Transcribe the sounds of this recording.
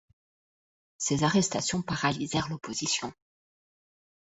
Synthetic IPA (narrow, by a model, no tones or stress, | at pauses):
sezaʁɛst̪asjɔ̃paʁalizɛʁlopʰozisjɔ̃